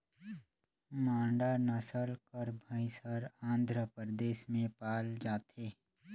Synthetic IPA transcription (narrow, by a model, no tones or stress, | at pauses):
mãːɳɖanəsəlkəɾbʱəɪsəɾãːnd̪ʱɾəpəɾəd̪eːʃmẽpaːld͡ʒaːt̪ʰeː